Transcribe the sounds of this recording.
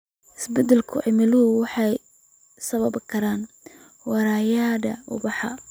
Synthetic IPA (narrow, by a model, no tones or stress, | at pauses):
ɪsbɛd̪ɛlkʰʊʕɪmɪlʊɦʊwɑħɑj | sɐβɐbkʰɐɾaːn | wɑɾaːjaːd̪ɐʊ̰bɑħɑ̰